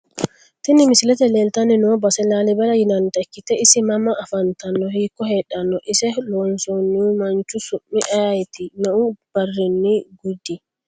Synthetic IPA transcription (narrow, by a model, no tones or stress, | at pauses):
tinimislɛtɛlɛltaninɔbasɛlalɛbɛlajinantakːitɛisimamaʔːfantanːɔhikɔɦɛɗanːɔʔisɛlɔnsonːumaɲt͡ʃusumːiʔajajtinɔub̥arːinːiɡudi